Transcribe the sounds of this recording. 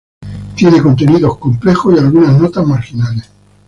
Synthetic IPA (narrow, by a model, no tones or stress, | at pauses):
t̪je̞ne̞ko̞nt̪e̞niðo̞sko̞mplexosialɣunaznot̪azmaɾxinales